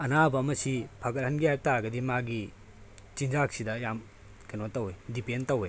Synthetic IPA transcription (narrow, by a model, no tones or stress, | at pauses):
ɐnabɐmɐsipʰaɡɐt̚hɐnɡijaj̚taɡɐdimaɡi | t͡ʃinzak̚sidɐjam | kenotɐwedipentɐwe